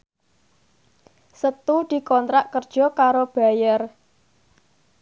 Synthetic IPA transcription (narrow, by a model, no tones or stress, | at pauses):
sət̪ud̪̥i̤kɔnt̪ɾaʔkərd̥ʒ̥ɔ̤kaɾob̥a̤jər